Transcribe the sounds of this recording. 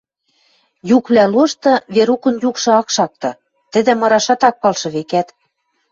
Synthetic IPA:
jukβlæloʃt̪ɤ̆βeɾukɤ̆njukʃɤ̆ɑkʃɑk̚t̪ɤ̆ | t̪ɘ̆d̪ɘ̆mɤ̆ɾɑʃɑt̪ɑk̚pɑlʃɤ̆βekæt̪

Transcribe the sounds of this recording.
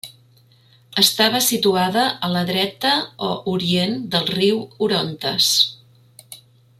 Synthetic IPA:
əst̪aβ̞əsit̪uaðəʔələðɾɛt̪əoʔuɾiend̪əlˠriwuɾont̪əs

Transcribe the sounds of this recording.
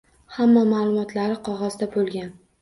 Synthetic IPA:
hamːamaːlˠʊmɒt̪ʰlaɾɪqʰɒʁɒzd̪abolˠɡʲan

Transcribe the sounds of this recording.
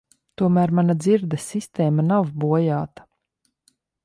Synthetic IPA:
t̪uɔmæːɾmanad̪ziɾd̪asist̪ɛːmanawbuɔjaːt̪ḁ

